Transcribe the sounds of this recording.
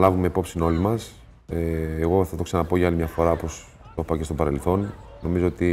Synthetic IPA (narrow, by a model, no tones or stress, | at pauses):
lɐvume̞ipo̞psino̞limɐs | eːɣo̞θɐt̪o̞ksɐnɐpo̞ʝɐɐlimɲɐfo̞ɾɐopo̞s | t̪o̞pɐce̞st̪o̞pɐɾe̞lθo̞nno̞mizo̞ot̪i